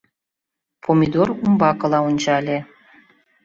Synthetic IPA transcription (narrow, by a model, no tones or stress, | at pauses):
pʰomʲid̪orumbɑkɤ̆lˠɑunʲt͡ɕɑlʲe